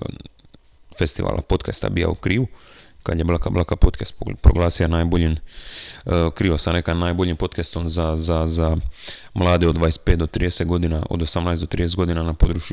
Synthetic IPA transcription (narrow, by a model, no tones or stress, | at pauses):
fest̪iʋa̰ːlʔa̰pot̪kast̪a̰bija̰ṵkɾiːʋukad̪jeblakablakapot̪kest̪pɾoɡlˠaːsijanaːjboʎin | kɾiːʋosanekanaːjbo̞ʎimpo̞t̪kest̪onzazaza | mlˠaːd̪eo̞d̪ʋaːjest̪̚pet̪d̪ot̪ɾiːd̪eset̪ɡo̞d̪inaʔo̰d̪osamnajsd̪o̞t̪ɾiːd̪eet̪ɡo̞d̪inanapod̪ɾut͡ʃu